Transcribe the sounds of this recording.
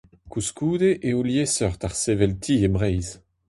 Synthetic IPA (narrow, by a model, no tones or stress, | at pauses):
kuskuːd̪eʔːuljesœʁt̪aʁsevɛlt̪ʰiebʁɛjz